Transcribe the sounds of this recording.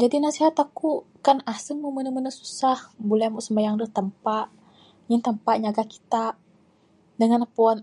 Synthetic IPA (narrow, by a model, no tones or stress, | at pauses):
d͡ʒadinasiɦat̪akukanasəŋmumənəmənəsu̥sahbulɛmuʔsəmajaŋdəht̪əmpaʔ | ɲint̪əmpaʔɲaɡaki̥t̪a | dəŋanpuɔn